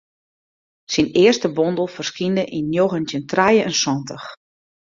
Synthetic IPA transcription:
sinɪəstəbɔndəlˠfərskindəʔinnjoɣəntjəntrajəɛnswɔntəx

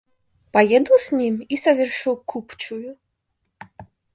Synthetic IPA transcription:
pajɛd̪luzʲnʲimisɐvʲɛrʂɨwkʰupt͡ʃuju

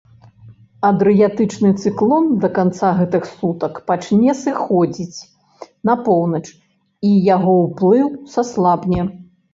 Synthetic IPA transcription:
ɐd̪ɾɨjat̪ɨt͡ʂnɨt̪sɨklˠɔnd̪ɐkant̪saɣɛt̪ɨxsut̪ɐkpat͡ʂnʲɛsɨxɔd͡zʲit͡sʲ | nɐpɔwnɐt͡ʂ | ijaɣɔwplˠɨwsaslˠabnʲɛ

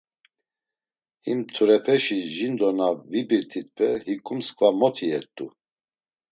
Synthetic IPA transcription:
himt̪ʰuɾɛpʰɛʃiʒind̪ɔnavibiɾt̪ʰit̪̚pʰɛhikʼumskʰʼvamɔt̪ʰiɛɾt̪ʼu

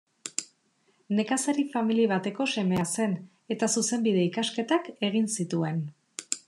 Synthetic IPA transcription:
ne̞kasaɾifamiliβ̞at̪e̞ko̞se̞me̞ase̞n | e̞t̪asuse̞mbiðe̞ikaske̞t̪ake̞ɣ̞insit̪ue̞n

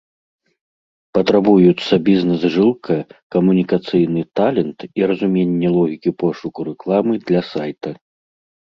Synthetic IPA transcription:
pɐt̪ɾabujut̪sːɐbʲiznɛzʐɨlˠkʰɐkɐmunʲikat̪sɨjnɨt̪alʲɛnt̪iɾɐzumʲenʲːɛlˠɔɣʲikʲipɔʂukuɾɛklˠamɨd̪lʲɐsajt̪ɐ

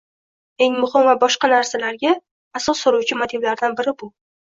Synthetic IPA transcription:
e̞ŋmʊhɪmvabɒʃqɑnaɾsalaɾɡʲaː | sɒsːoɾuwt͡ʃʰɪmot̪ʰiblaɾd̪anbɪɾɪbʊ

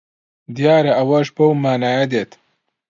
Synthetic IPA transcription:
d̪jaːɾɐʔɐwɐʒbɐwmaːnaːjɐd̪eːt̪

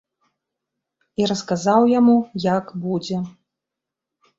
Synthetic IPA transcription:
iɾɐskazawjamujakbud͡zʲɛ

